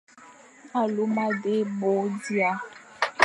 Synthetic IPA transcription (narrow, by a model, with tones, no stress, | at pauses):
a˨lu˨˦mã˦ɖe˦bo˨˦di˦a˨